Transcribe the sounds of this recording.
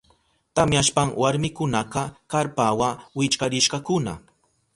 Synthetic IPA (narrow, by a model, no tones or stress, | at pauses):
t̪amjaʃpaŋwaɾmɪkʊnɑqɑkaɾpawawɪt͡ʃkaɾɪʃɢɑkʊna̰